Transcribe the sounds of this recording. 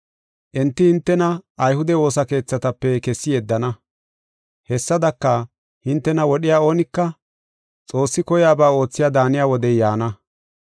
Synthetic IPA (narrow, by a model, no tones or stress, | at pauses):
ʔɛnt̪ːɪhɪnt̪ːɛnɐɐjhʊd̪ɛwo̞ːsɐke̞ːt͡sːɐt̪ɐpːɛkɛsːɪjɛd̪ːɐnɐ | hɛsːɐd̪ɐkːɐ | hɪnt̪ːɛnɐwɔɗɪjaːo̞ːnɪkːɐ | t͡sʼo̞ːsːɪkɔjaːbaːo̞ːt͡sːɪjaːd̪aːnɪjaːwɔd̪ɛjaːnɐ